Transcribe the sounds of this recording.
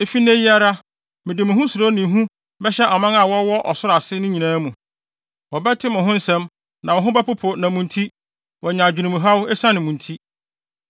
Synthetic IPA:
e˦fi˦n˦ẽ˦ji˦a˦ɾa˦ | mɪ̃˨dɪ˨mʊ̃˨ɦʊ̃˦sʊ˨ɾo˦nɪ̃˨ɦũ˦ | bɛ˦ɕɛ˦ʔa˨mã˦ŋa˨wɔ˦wɔ˦ʔɔ˨sʊ˦ɾa˨sɪ˦nʊ̃˦ɲĩ˨nãː˦mũ˨ | wɔ˨bɛ˦tʰɪ˦mʊ̃˨ɦʊ̃˦n̩˦sɛ̃˦m | nã˨wɔ˨ɦʊ̃˦bæ˦pʊ˦pʰʊ˨nã˨mũ˨ntʰi˦ | wɔ˨ɲã˨d͡ʑᶣu˨nũ˨m̃˨ɦa˦wʊ˦ɛ˦sã˦nɪ̃˨mũ˨n˨tʰi˦

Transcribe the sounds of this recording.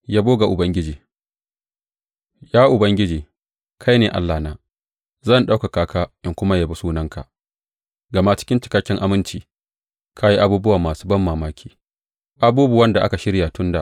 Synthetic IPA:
jaː˦boː˦ɡa˨ʔʊ˨bɐ˦ŋɡʲɪ˦d͡ʒiː˨ | jaː˦ʔʊ˨bɐ˦ŋɡʲɪ˦d͡ʒiː˨ | kʰa˦jneː˨ʔa̰˦lːaː˨naː˦ | zɐ˦˨nɗa˦wka˨kaː˦kaː˦ʔɪ˦ŋkʷʊ˦ma˦ja˨bu˦suː˦nɐ˦ŋka̰˨ | ɡɐ˨ma˦t͡ʃɪ̥˦kʲɪ˦nt͡ʃɪ̥˨kɐ˦kʲːɪ˦ŋʔa˦mɪ˦nt͡ʃiː˨ | kʰa˦ji˦ʔa˦buː˦bʊ˦waː˨maː˨su̥ː˦bɐ˦mːaː˨maː˦kʲʰiː˨ | ʔa˦buː˦bu˨wɐ˦nda˨ʔa̰˦ka˨ʃɪ˦ɽja˨tʊ˦nda˨ʔ

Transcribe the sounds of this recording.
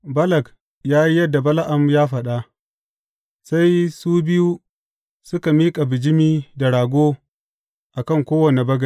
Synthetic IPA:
bɐ˦lɐ˨k | jaː˦ji˦jɐ˦dːa˨bɐ˦la˦ʔa˨mjaː˦ɸɐ˨ɗa˦ | sa˦jsuː˦bɪ˦ju˦ | sʊ˦ka˨miː˦kʼa˨bɪ˨d͡ʒɪ˦miː˦da˨ɽaː˨ɡʷoː˦ | ʔa˨kɐ˦˨ŋkʷoː˦wɐ˨ne˨bɐ˦ɡɐ˨

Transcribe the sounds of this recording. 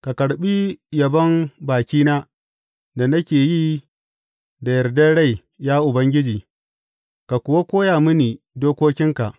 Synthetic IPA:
ka˨kɐ˨ɽɓi˦jɐ˨bɐ˦mbaː˨kʲiː˦naː˦ | da˨na˦kʲeː˨ji˦ | da˨jɐ˨rdɐ˦ɽa˦˨j | jaː˦ʔʊ˨bɐ˦ŋɡʲɪ˦d͡ʒiː˨ | ka˨kʷʊ˨wa˦kʷoː˦jaː˨mɪ˦niː˨ | doː˦kʷoː˦kʲɪ˦ŋka˨ʔ

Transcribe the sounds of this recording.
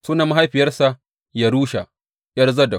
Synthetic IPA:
suː˦na˨ma˦ɦa˦jɸɪ˨jɐ˦rsa˨ | ja˨ɾuː˦ʃa̰˨ʔ | jɐ˦rzɐ˦da˨

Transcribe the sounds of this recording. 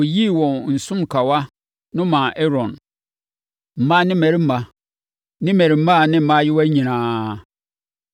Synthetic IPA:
o˨ji˦˨wɔ̃˨nn̩˨sʊ̃˦mkʰa˨wa˦ | nʊ̃˦mã˨ʔɛ˦ɾɔ̃˨n | m̩˨mã˦nɪ̃˦mɛ˨ɾi˦m̩˦mã˨ | nɪ̃˦mɛ˨ɾi˨m̩˦mã˦˨nɪ̃˦m̩˨mã˦jɪ˦wæ˦ɲĩ˨nãː˨

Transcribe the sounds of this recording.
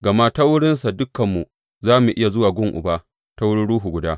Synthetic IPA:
ɡɐ˨ma˦ta˦wʊ˦ɽɪ˦nsa˨dʊ˦kːɐ˨mːu˨ | zaː˦mu˨ʔɪ˦ja˨zʊ˦waː˨ɡʷʊ˦ŋʔʊ̰˨baː˦ | ta˦wʊ˦ɽɪ˦nɽuː˦ɦu˨ɡʷʊ˨daː˦

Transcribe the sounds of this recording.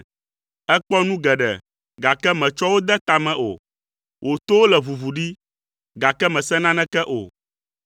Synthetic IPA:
ɛ˦k͡pɔ˦nũ˦ɡɛ˨ɖɛ̰˨ | ɡa˨kɛ˦mɛ̃˨t͡ʃɔ˦wo˦d̪ɛ˦t̪a˨mɛ̃˨ʔo̰˨ | wʔo˨t̪o˦wo˦lɛ˨vu˨vu˨ɖi˦ | ɡa˨kɛ˦mɛ̃˨sɛ˦nã˦nɛ̃˦kɛ˦ʔo̰˨

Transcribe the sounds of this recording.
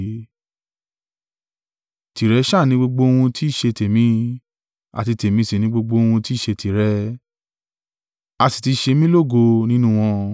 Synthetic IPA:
ti˨ɾɛ˨˦ʃa˦˨nĩ˨˦ɡ͡bo˧ɡ͡bo˧o˧wũ˧tʰi˦˨ʃe˧te˨mĩ˨˦ | a̰˨ti˧te˨mĩ˧˦si˨nĩ˦ɡ͡bo˧ɡ͡bo˧o˧wũ˧ti˦˨ʃe˧ti˨ɾɛ˨˦ | a˧si̥˨ti˧ʃe˧mĩ˦lo˦˨ɡo˧nĩ˦nũ˦w̃ɔ̃˧

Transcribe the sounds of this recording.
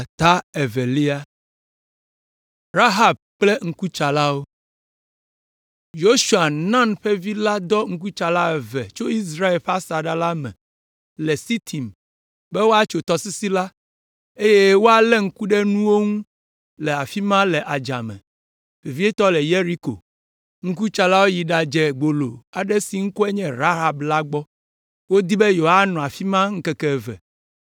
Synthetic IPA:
t̪a˦ɛ˨vɛ˨li˦a˦ | ɾa˦ɦa˨b̚k͡plɛ˦ŋ̩˦ku˦t͡ʃa˨la˦wo˦ | jo˦ʃu˨a˨nã˦nɸɛ˦vi˦la˦d̪ɔ˦ŋ̩˦k̬u˦t͡ʃa˨la˦ɛ˨vɛ̰˨t͡ʃo˦i˦s̬ɾa˦e˨lɸa˦sa˨ɖa˦la˦mɛ̰̃˨ | lɛ˨si˦t̪ʰi˨m | bɛ˦wo˦a˦t͡ʃo˨t̪ɔ˦si˦si˦la˦ | e˦je˦wo˦a˨lɛ˦ŋ̩˦ku˦ɖɛ˦nũ˦wo˦ŋũ˦ | lɛ˨a˨fi˦mã˦lɛ˨ʔa˨d͡ʒa̰˨mɛ̰̃˨ | vi˨vi˦ɛ˦t̪ɔ˦lɛ˨je˦ɾi˦ko̰˨ | ŋ̩˦k̬u˦t͡ʃa˦la˦wo˦ji˨ɖa˨d͡ʒɛ˨ɡ͡bo˨lo̰˨a˨ɖɛ˦si˨ŋ̩˦kɔ˦ɛ˦ɲɛ̃˦ɾa˦ɦa˨bla˦ɡ͡bɔ˦ | wo˦d̪i˦bɛ˦jo˨ɦa˦nɔ̃˨a˨fi˦mã˦ŋ̩˦kɛ˦kɛ˦˨vɛ̰˨

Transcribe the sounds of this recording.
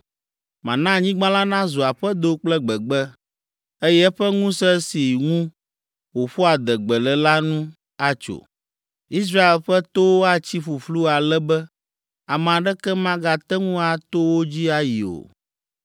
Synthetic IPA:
mã̰˨nã˦˨ɲĩ˦ɡ͡bã˦la˦nã˦zo˨a˨ɸɛ˦d̪o˨k͡plɛ˦ɡ͡bɛ˨ɡ͡bɛ˦ | e˦jɛ˦ɛ˦ɸɛ˦ŋũ˦sɛ˦si˨ŋũ˦ | wo˨ɸo˦a˨d̪ɛ˨ɡ͡bɛ˨lɛ˨la˦nũ˦ | a˦t͡ʃo̰˨ | i˦s̬ɾa˦e˨lɸɛ˦t̪o˦wo˦a˦t͡ɕi˦ɸu˨flu˦a˨lɛ˦bɛ˦ | a˨m˨a˨ɖɛ˦kɛ˦mã˦ɡa˨t̪ɛ˦ŋũ˦a˨t̪o˦wo˦d͡ʑi˦a˨ji˨o̰˨

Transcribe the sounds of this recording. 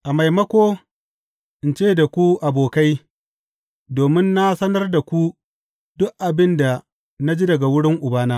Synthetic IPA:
ʔa˨ma˨jmɐ˦kʷoː˦ | ʔɪ˨nt͡ʃeː˦˨da˨kʷu˦ʔa˨boː˨ka˦j | doː˨mɪ˦nːa˦sɐ˦nɐ˦rda˨kʷu˦ | dʊ˦ʔʔa˨bɪ˦nda˨ | na˦d͡ʒi˦dɐ˨ɡa˨wʊ˦ɽɪ˦ŋʔʊ˨baː˦naː˦

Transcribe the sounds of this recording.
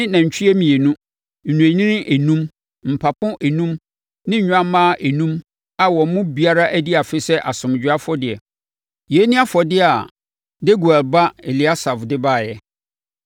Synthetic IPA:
ɪ̃˦nã˨ɲ̩˨t͡ɕᶣʰi˦ɛ˦mĩ˨e˨nũ˦ | n̩˨nũ˨æ˨ɲĩ˦nɪ̃˦ʔe˨nũ˦m | m̩˨pʰa˨pʰʊ̃˦ʔe˨nũ˦m | nɪ̃˦ɲ˦ɲᶣ˦ã˦mãː˦˨ʔe˨nũ˦m | a˨wɔ̃˨˦mʊ̃˦bi˨a˦ɾa˦ʔæ˦di˦a˨fɪ˦sɛ˦ʔa˨sʊ̃˨md͡ʑᶣʊ˨˦a˦fɔ˦dɪ˨ɛ˨ | je˨˦nĩ˦a˦fɔ˨dɪ˦a˨ | de˦ɡu˨ɛ˨lba˦e˨li˨a˦sa˨fdɪ˦baː˦˨jɛ˦

